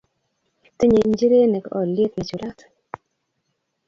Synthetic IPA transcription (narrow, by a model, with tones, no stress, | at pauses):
te˦ɲe˨ɲd͡ʒi˦ɾe˦ne˨kɔ˨le˦t̪na˨t͡ʃu˨ɾa˦t